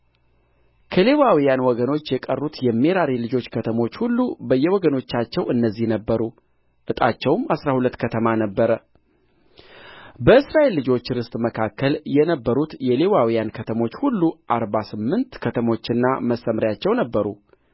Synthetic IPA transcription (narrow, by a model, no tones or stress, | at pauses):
kʰəle̞wawijanwɔɡəno̞t͡ʃːjɛkʼərːut̪jɛmːeɾaɾilɨd͡ʒo̞t͡ʃːkʰət̪ʰəmo̞t͡ʃːhulːubəjːɛwɔɡəno̞t͡ʃːat͡ʃːɛwɨnːəzːihnəbːəɾu | ʔɨt̪ʼat͡ʃːɛwmasɾahulət̪ːkʰət̪ʰəmanəbːəɾə | bəɨsɾaʔe̞lːɨd͡ʒo̞t͡ʃːɾɨst̪ʼməkʰakːəljɛnəbːəɾut̪jɛlewawijankʰət̪ʰəmo̞t͡ʃːhulːuʔaɾbasɨmːɨnt̪kʰət̪ʰəmo̞t͡ʃːɪnːaməsːəmɾjat͡ʃːɛwnəbːəɾu